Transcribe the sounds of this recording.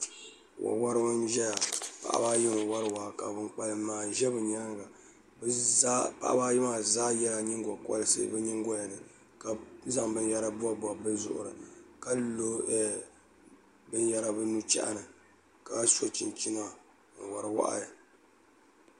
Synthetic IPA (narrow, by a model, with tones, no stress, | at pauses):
wʔa̰˨wa˦ɾɨ˦wa˦nʒɛ˦ja˨pa̰˨ʔa̰˦ba˦jɪ˦mɨ˨wa˦ɾɨ˦wa˨ka˨bɨ˦ŋk͡pa˨lɨ˨maː˨ʒɛ˦bɨ˨ɲa˦ɡa˨ | bpa̰˦ʔa̰˦baː˦jɪ˦maː˨zaː˦jɛ˦la˨ɲi˦ŋ˦ɡɔ˨kɔ̰˦lɨ˦sɨ̰˦bɨ˦ɲi˦ŋ˦ɡɔ˦la˨nɨ˨ | ka˨za˦ŋbɨ˨nja˦ɾa˦bʊ˦a˦ba˨bɨ˦zʊ̰˨ʔʊ̰˨ɾɨ̰˨ka˦lo˦ɛ˦ | bɨ˦n˦ja˦ɾa˨bɨ˦nu˦t͡ʃɛ̰˦ʔa̰˨nɨ˨ | ka˨˦so˦t͡ʃi˨nt͡ʃi˦na˦˨ | ŋ̩˨wa˨ɾɨ˨wa̰˦ʔa̰˦˨ɨ˨